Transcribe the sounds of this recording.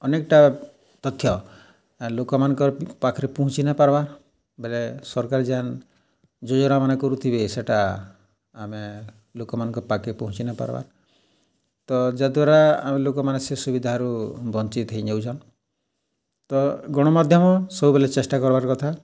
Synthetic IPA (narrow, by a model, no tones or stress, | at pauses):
ɔnekʈa | t̪ɔt̪ʰːjɔ | lokɔmanɔkɔɾpakʰɾipɔɦũt͡ʃinapaɾbaɾ | belesɔɾkaɾd͡ʒian | d͡ʒɔd͡ʒɔɾamanekɔɾut̪ʰibeseʈaː | me | lokɔmanɔŋkɔɾpakɾipɔɦũt͡ʃinapa̰ɾba̰ɾ | t̪ɔd͡ʒad̪waɾa̰ːmelokɔmanesesubid̪ʱaɾubɔnt͡ʃit̪ɦiɲewd͡ʒʱan | t̪ɔɡɔɽ̃ɔmad̪ʱjɔmɔsɔbubelet͡ʃesʈakɔɾbaɾkɔt̪ʰa